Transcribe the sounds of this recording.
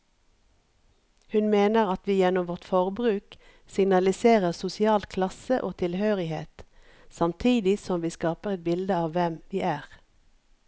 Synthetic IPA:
hʉnmeːnəʁɑt̪ʋiːjɛnʊmʋɔʁt̪fɔʁbʁʉːk | sɪŋnɑlɪseːʁəʁsʊsɪɑːlkʰlɑsəʔoːt̪ʰɪlhøːʁɪheːt̪ | sɑmt̪ʰiːd̪ɪsɔmʋiːskɑːpəʁɛt̪̚bɪld̪əɑːʋʋɛmʋiːʔæːʁ

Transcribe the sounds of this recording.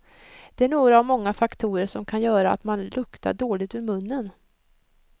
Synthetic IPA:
d̪̥ɛæɳoːɡɾaːvmɔŋːafakt̪ʰuːɾəʂɔmkʰanjœːɾaa̰t̪manlɵkt̪ʰa̰ɖoːlɪt̪ɵɾmɵnːən

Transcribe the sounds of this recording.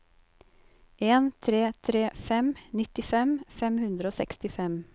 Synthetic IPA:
ʔeːnt̪ʰɾeːt̪ʰɾeːfɛmnɪt̪ɪfɛmfɛmhʉnd̪ɾəoːsɛ̰kst̪ɪfɛm

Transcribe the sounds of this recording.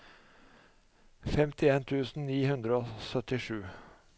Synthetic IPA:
fɛmt̪ʰɪeːnt̪ʰʉːsn̩niːhʉnd̪ɾəoːsœt̪ɪʂʉː

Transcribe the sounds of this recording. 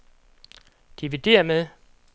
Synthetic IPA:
d̥iʋid̥e̝̰ːɐmeðˠ

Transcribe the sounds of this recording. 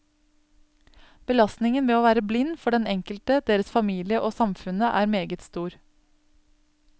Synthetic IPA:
b̥əlɑst̪nɪŋənʋeːoːʋæːɾəblɪnːfɔɖɛnɛŋkəlt̪əd̪̥eːɾəsfɑmiːlɪəʔoːsɑmfʉnəʔæːɾmeːɡət̪st̪uːɾ

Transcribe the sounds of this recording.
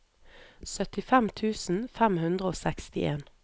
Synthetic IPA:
sœt̪ɪfæmt̪ʰʉːsn̩fæmhʉnd̪ʁəoːsɛkst̪ɪʔeːn

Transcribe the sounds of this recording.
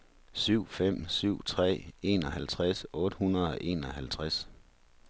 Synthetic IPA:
syʊ̰fem̰syʊ̰t͡sʰʁɛ̰ːe̝̰ːnɒ̽hælt͡sʰʁasɔ̽ːd̥əhunɐðˠɒ̽ʔe̝ːnɒhælt͡sʰʁas

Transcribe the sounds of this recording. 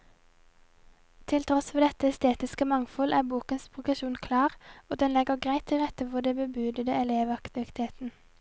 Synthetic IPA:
t̪ʰɪlt̪ʰʁɔsʋeːd̪ɛt̪əɛst̪eːt̪ɪskəmɑŋfɔlʔæːbuːkənspʰʁʊɡʁəʃuːnkʰlɑːʁoːd̪ɛnlɛɡəʁɡʁæɪt̪ʰːɪlʁɛt̪əʋʊd̪eːbəbʉːd̪əd̪əɛleːʋɑkt̪ɪʋɪt̪ʰeːt̪n̩

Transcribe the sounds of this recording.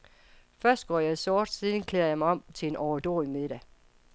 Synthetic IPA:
fɶɐsd̥ɡ̥ɒːjɑ̈ɪsɒːd̥siːðˠn̩kʰlḛːɐjɑ̈ɪmɑ̈ɪɒ̽m̰t͡sʰe̝e̝nʔɒʊd̥oːimeðˠɾ̥æ

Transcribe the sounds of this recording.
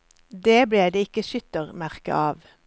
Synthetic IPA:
d̪eːbleːd̪eːɪkəʃʏt̪əʁmæʁkə̰ʔɑːʋ

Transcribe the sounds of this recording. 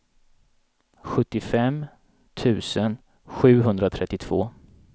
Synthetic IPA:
ɧɵt̪ːɪfɛm | t̪ʰʉ̟ːsən | ɧʉ̟ːɦɵnd̪ɾat̪ʰɾɛt̪ːɪt̪ʰv̥oː

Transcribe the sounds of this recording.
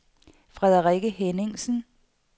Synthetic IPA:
fʁɛðˠɐʁiɡ̥əɦene̝ŋsn̩

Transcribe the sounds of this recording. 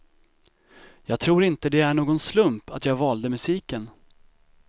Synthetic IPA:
jɑːɡ̚t̪ʰɾuːɾɪnt̪əd̪ɛæɳoːɡɔnslɵmpa̰t̪jɑːɡvɑːld̪əmɵsiːkən

